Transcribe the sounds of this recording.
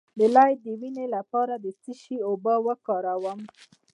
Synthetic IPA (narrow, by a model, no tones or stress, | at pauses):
d̪əlajd̪əwinelapɑɾad̪ət͡siʃiobəwəkɑɾawəm